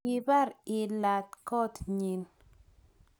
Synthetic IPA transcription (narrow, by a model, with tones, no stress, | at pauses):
i˨ba˦˨ɾɪ˨la˨t̚kɔ˦tɲi˨n